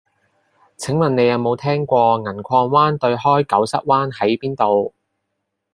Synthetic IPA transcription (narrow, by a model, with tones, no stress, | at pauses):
t͡sʰɪ˨˥ŋwɐ˨nːe˨˧jɐ˨˧wmo˨˧wt̪ʰɛː˥ŋkʷɔː˧ŋɐ˨˩nkʷʰɔː˧ŋwaː˥nt̪ɵ˧ɥɦɔː˥jkɐ˨˥wsɐ˥t̚waː˥nhɐ˨˥jpiː˥nt̪o˨w